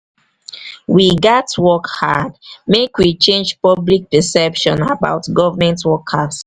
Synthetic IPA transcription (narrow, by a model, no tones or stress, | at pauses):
wiɡatwɔkhadmekwit͡ʃẽnd͡ʒpɔblik̚pɛsɛpʃɔ̃naba̰ʊtɡɔvəmɛ̃ntwɔkhas